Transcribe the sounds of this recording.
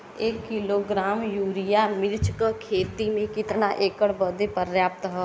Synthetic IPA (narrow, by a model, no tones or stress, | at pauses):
ekːɪloːɡɾaːmjuːɾɪjamɪɾt͡ʃkəkʰeːt̪imẽkɪt̪naʔeːkəɽbəd̪epəɾjaːp̚t̪ɦɛː